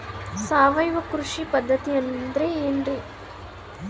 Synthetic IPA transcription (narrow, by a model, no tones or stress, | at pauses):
saːʋɐjʋɐkɾuʂipɐd̪ʱːɐt̪iɐnːnd̪ɾeeːɳɖɾi